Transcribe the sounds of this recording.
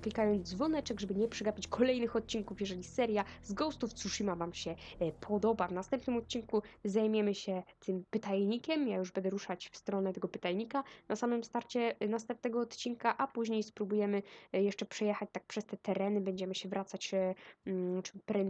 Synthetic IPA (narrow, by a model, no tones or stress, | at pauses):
klʲikajɔnd̪zvɔnɛt͡ʂɛɡʐɛbɘɲɛpʂɛɡapʲit͡ɕkʰɔlɛjnɘxɔt̪̚t͡ɕiŋkufjɛʐɛlʲisɛɾjazɡɔst̪uft̪suʂimavamɕɛpʰɔd̪ɔbavnast̪ɛmpnɘmɔt̪̚t͡ɕinkuzajmʲjɛmɘɕɛt̪ʰɘmpɘt̪ajɲikʲɛmjajuʐbɛnd̪ɛɾuʂat͡ɕfst̪ɾɔnɛt̪ɛɡɔpɘt̪ajɲikanʔasamɘmst̪aɾt͡ɕɛnast̪ɛmp̚nɛɡɔːt̪t͡ɕinkaʔapuʑɲejspɾubujɛmɘjɛʂt͡ʂɛpʂɛjɛxat͡ɕt̪ak̚pʂɛst̪ɛt̪ɛɾɛnɘbɛɲd͡ʑɛmɘɕɛvɾʔat̪sat͡ɕ | t͡ʂmpɾɛ